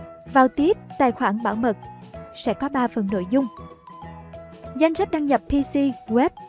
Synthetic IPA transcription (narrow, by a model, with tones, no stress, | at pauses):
vaː˨˩wt̪i˦˥ət̚t̪a̰ː˧˨jxwaː˧˩nɓaː˧˩wmə˨˩t̚sɛ̰˧˥kɔ˨˦ɓaː˧fə̰˨˩nːo̰˧˨jzʊ˧ŋ͡m | za˧jŋ̟sa˦˥k̟̚ɗaː˧ŋɲə˨˩ppi˧si˧ɣwɛ˦˥p̚